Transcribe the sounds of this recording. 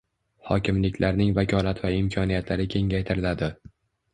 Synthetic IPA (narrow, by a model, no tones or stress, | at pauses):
hɒ̰kʲɪmlɪkʲlaɾnɪŋvakʲʰɒlat̪vaɪmkʰɒnijat̪ʰlaɾɪkʲʰe̞ŋɡʲajt̪ʰɪɾɪlad̪ɪ